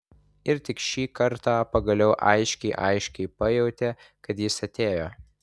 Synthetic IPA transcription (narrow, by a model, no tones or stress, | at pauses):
ɪɾt̪ʲɪkʃʲiːkɐɾt̪ɑːpɐɡɐlʲɛʊʔɐɪʃʲkʲɛɪʔɐɪʃʲkʲɛɪpɐjɛʊt̪ʲɛ | kɐt̪jɪsɐt̪ʲeːjoː